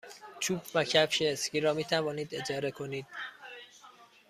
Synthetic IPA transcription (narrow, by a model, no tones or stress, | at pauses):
t͡ʃʰuːbvæcʰæpʃeːsciːɾɒːmiːt̪ʰævɒːniːd̪e̞d͡ʒɒːɾe̞kʰo̞niːd̪̥